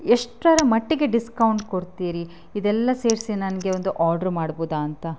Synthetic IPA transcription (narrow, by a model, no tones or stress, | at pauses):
eʂʈɾɐɾɐmɐʈːiɡe̞ɖiskɐwɳʈkoɽt̪iːɾi | id̪ɛlːɐse̞ːɾsinɐnɐɡe̞ond̪uʔaːɾɖɐɾmaːɽboːd̪aːnt̪ɐ